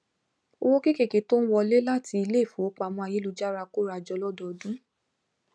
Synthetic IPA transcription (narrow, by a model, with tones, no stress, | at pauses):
o˧wo˦ke˦ke˦˨ke˨to˦n̩˦wɔ˧le˦la˦˨ti˧i˧le˦˨fo˨˦k͡pa˨˧˨w̃ɔ̃˧a˨˧je˨˦lu˧d͡ʒa˦ɾa˧ko˦ɾa˧˨d͡ʒɔ˧lɔ˦dɔ˨dũ˦